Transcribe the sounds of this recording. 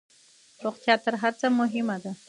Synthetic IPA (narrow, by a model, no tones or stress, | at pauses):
ɾoχt̪jɑt̪əɾɦaɾt͡samʊɦɪmad̪a